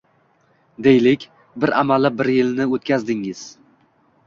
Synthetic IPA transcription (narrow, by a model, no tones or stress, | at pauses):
d̪e̞jlɪkʲ | bɪɾamalɪbɪɾjɪlnɪot̪̚kʲʰazd̪ɪŋɪz̥